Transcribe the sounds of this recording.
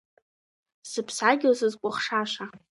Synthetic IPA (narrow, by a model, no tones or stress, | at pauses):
sɨpʰsaɡʲozɨzkʷʼʊχʂaʃʷa